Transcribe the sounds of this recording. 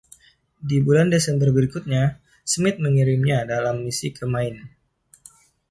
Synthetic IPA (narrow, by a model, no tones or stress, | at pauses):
dibulandesɛmbərbəɾikʊt̪̚ɲa | səmɪt̪̚məŋiɾɪmɲadalamːisikəmaɪn